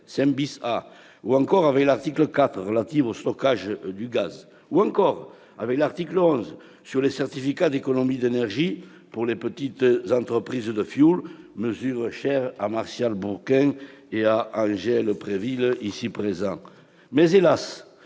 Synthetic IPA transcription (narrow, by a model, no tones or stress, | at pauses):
sɛ̃nbisa | uɑ̃ŋkɔʁavɛklaʁt̪ikləkat̪χəʁəlat̪ivost̪ɔkaʒəd̪yɡaz | uɑ̃ŋkɔʁ | a̰vɛklaʁt̪ikləɔ̃z | syʁlesɛʁt̪ifikad̪ekɔnɔmid̪enɛʁʒi | puʁlepət̪it̪zɑ̃nt̪χəpχizd̪əfjul | məzyʁəʃɛʁamaʁsjalbuʁkɛ̃eaʔɑ̃ʒɛləpχevilisipχezɑ̃ŋ | mɛzelas